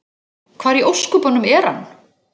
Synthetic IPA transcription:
kʰvaːɾiʔowskʏpɔnʏmɛɾ̥hanː

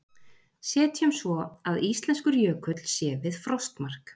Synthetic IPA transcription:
sɛːt̪çɛmsvɔaðist̪lɛnskʏɾjœːkʏt̪l̥sjɛːvɪðfɾɔst̪mar̥k

